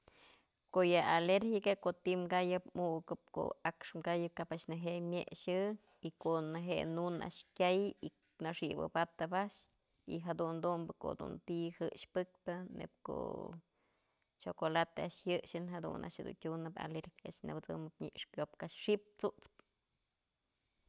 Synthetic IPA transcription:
koʔjɨaleɾxikakot̪imɡajɨpmuʔkɨp̚ko̰akʂmɡajɨp̚kapaʔʃnɨɦeʔmʲjḛʔʂɨ | ikoʔnɨɦeḛnuna̰ʔʂkʲjaji | naʂibɨ̰pat̪ɨpaʔʂ | ḭɦad̪und̪umbɨko̰d̪ṵnt̪ihɨʔʂpɨk̚pɨnḛp̚ko̰ | t͡ʃokolat̪eaʔʂjɨʔʃɨnɦad̪ṵnʔa̰ʔʃhad̪ṵntʲunɨpa̰leɾxi̥aʔʃnḛbɨt͡sɨ̰mɨp̚ɲiʔʂkjop̚kaʂʂip̚t͡suʔt͡sp

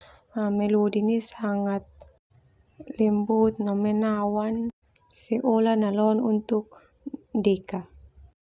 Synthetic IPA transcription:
amɛlodinisaŋat̪̚ | limbut̪̚nɔmɛnawan | sɛʔolanalɔnunt̪uk̚ | dɛka

